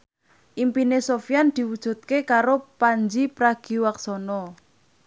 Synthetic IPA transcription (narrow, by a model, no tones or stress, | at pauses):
ʔimpinesofjand̪̥i̤wud̥ʒ̥ṳt̪̚kekaɾopaɲd͡ʒipɾaɡ̥i̤waksɔnɔ